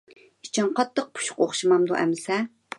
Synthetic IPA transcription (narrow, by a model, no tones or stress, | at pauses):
i̥t͡ʃʰɑŋqʰɑt̪ʰːəq̚pʰu̥ʃʊ̥qoχʃɨmɑmd̪uʔɛ̰mɪsɛ